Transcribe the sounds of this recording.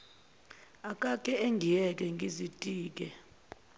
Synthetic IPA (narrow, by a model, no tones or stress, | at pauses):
akʼakʼɛeŋɡʱijɛk̬ʼɛŋɡʱizitʼiːk̬ʼɛ